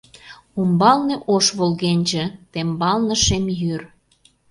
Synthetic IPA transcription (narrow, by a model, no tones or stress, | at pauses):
umbɑlneʔoʃβolɣenʲʒĕt̪embɑlnə̆ʃemjyr